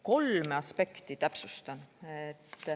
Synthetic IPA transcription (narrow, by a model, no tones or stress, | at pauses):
ko̞lmeɑspe̞kt̪it̪æpsust̪ɑnet̪ː